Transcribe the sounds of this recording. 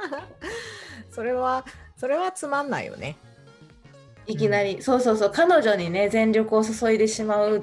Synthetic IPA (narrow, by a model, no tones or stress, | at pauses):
so̞ɾe̞βaso̞ɾe̞βat͡sɨmãnːa̰ḭjo̰ne̞̰ | ik̬ʲinaɾʲiso̞ːso̞ːso̞ːkano̞ʑo̞ɲ̟ine̞zẽ̞nɾʲo̞kɯ̟o̞soso̞id̪e̞ɕimaɯ